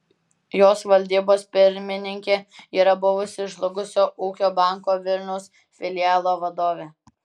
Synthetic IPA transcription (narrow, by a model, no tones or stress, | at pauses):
joːsʋɐlʲd̪ʲiːboːspʲɪɾʲmʲɪnʲɪŋʲkʲeːiːɾɐbʊʋʊsʲɪʒlˠʊɡʊsʲoːʔuːkʲoːbɑˑŋkoːʋʲɪlʲnʲɛʊs | fʲɪlʲɪjaːlˠoːʋɐd̪oːʋʲeː